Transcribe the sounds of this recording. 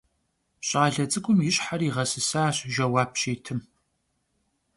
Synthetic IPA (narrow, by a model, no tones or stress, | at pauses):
ɕʼaːɮɐt͡sʼɨkʷʼʊmjɪɕħaɾiːʁɐsɨsaːɕʒɐwaːp̚ʃeːtʰɨm